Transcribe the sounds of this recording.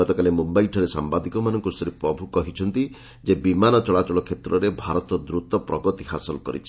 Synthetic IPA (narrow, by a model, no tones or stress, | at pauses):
ɔt̪ɔkalemumbaiʈʰɔɾesa̰mbad̪ikɔmanɔŋkusɔɾipɾɔbʱukɔɦit͡ʃʰɔnt̪i | d͡ʒebimanɔt͡ʃɔɭat͡ʃɔɭɔkʰet̪ɾɔɾebʱaɾɔt̪ɔd̪ɾut̪ɔpɾɔɡɔt̪iɦasɔlkɔ̰ɾḭt͡ʃʰi̥